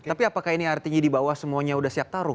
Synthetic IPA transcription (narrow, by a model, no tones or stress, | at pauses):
apiapakahiniart̪iɲadibawahsəmuaɲaudahsiap̚t̪aɾʊ